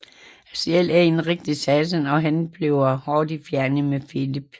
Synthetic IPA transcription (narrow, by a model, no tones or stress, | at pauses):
æsielæɐinʁeɡ̥̚d̥isæsənɒ̽ɦænb̥leʊɐhɒːd̥ifjæɐnəmefilib̥